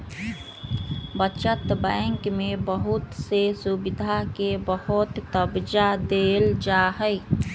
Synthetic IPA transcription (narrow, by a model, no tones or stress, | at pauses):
bət͡ʃət̪bə̃ŋkmebəɦʊt̪sesubɪd̪ʱakebəhʊt̪ːəbd͡ʒad̪eːld͡ʒaɦəɪ